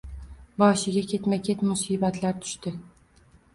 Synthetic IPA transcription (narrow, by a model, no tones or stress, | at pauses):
bɒʃɪɡʲakʲʰe̞t̪makʰʲet̪mʊsiːbat̪laɾt̪ʰʊ̥ʃt̪ɪ